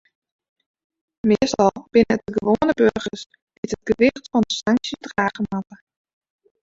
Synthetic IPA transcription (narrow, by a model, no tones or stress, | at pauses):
mɪəstɔlˠb̥ɪnətəɡəʋoːənəbørɣəs | ɡ̥ɪtəd̚ɡ̥əʋɪxtfɔndəsaŋksjədraːɣəmatə